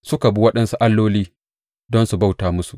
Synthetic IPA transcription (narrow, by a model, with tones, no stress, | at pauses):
sʊ˦ka˨bu˦wɐ˦ɗɐ˦nsu˦ʔa˦lːoː˦liː˦ | dɔ˦nsu˨ba˦˨wtaː˨mʊ˦su˨ʔ